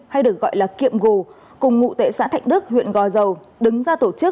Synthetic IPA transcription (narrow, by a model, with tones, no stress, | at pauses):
ha˧jɗɨ˨˩ək̚ɣɔ̰˧˨jlaː˨˩kḭ˧˨əmɣu˨˩ | kʊ˨˩ŋ͡mŋṵ˧˨t̪e˧˩˦sa̰ː˧˥t̪ʰa̰˧˨jŋ̟ɗɨ˦˥k̚hwḭ˧˨ənɣɔ˨˩zə˨˩w | ɗɨ˨˦ŋzaː˧t̪o˧˩t͡ɕɨ˦˥